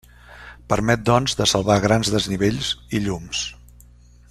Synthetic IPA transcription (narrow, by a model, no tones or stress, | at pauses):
pəɾmɛt̪̚d̪ɔnzd̪əsəlˠβaɣɾanzðəzniβ̞eʎziʎums